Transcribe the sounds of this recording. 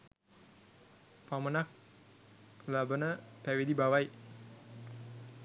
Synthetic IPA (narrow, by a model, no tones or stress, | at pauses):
pamənak̚ | labənəpæʋid̪ibaʋaj